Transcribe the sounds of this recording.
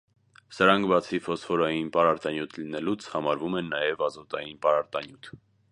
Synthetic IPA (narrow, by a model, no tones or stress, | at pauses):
səɾɑŋkʰbɑt͡sʰifɔsχɔɾɑjinpɑɾɑɾt̪ɑnjut̪ʰlinɛlut͡sʰhɑmɑɾvumɛnːɑjɛvɑzɔt̪ɑ̰jinpɑɾɑɾt̪ɑnjut̪ʰ